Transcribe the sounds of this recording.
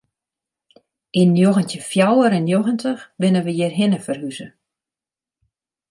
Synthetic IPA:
ʔinjoɣəntəfjawəɾɛnjoɣəntəxbɪnəʋəjɪrɦɪnəfərɦyzə

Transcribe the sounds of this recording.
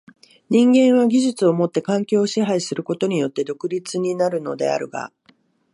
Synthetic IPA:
ɲ̟ĩŋɡẽ̞ɰ̃βaɡʲiʑɨt͡sɨo̞mo̞t̪ːe̞kãŋkʲo̞ːɕiɦaisɨɾɯ̟ko̞t̪o̞ɲ̟ijo̞t̪ːe̞d̪o̞kɯ̟ɾʲit͡sɨɲ̟inaɾɯ̟no̞̰d̪e̞̰a̰ɾɯ̟̰ɡa̰

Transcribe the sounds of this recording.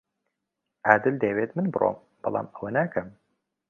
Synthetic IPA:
ʔæːd̪ɨld̪eːweːt̪mɨnbɨɾo̰m | b̥ɐlˠa̰ːməwɐnæːkʰɐm

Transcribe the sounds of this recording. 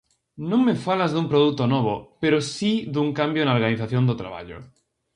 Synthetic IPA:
nõŋmefalazðumpɾoðut̪onoβ̞opeɾosiðuŋkambjonaoɾɣaniθaθjond̪ot̪ɾa̰βa̰ʎo̰

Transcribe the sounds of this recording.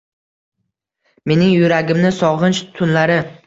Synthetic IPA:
me̞nɪŋjʊɾaɡʲɪmnɪsɒʁɨnʃt̪ʰʊnlaɾɪ

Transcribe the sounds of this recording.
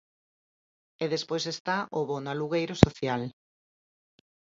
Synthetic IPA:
eðespojsest̪aʔoβonaluɣejɾosoθjal

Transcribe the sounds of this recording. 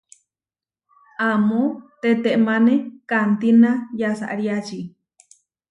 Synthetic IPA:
amõt̪et̪eʔmãnekant̪inãjasa̰ʔɾiat͡ʃi

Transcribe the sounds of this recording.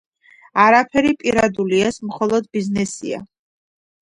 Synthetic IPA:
aɾapʰɛɾipʼiɾad̪uliɛsmχɔlˠɔd̪biznɛsḭa̰

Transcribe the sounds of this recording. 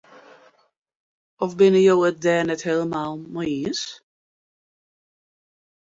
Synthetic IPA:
ɔfbɪnəjowət̚dɛːnɛtheːləmaːlˠmɔiəs

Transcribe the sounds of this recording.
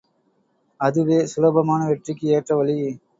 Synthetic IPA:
ɐðɯʋeːsʊlɐbɐmaːnɐʋɛʈrɪkːɯeːʈrɐʋɐlɪjɯ

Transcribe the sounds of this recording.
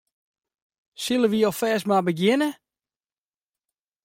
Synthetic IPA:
silˠəʋiɔlˠfɛːsmabəɡjɪnə

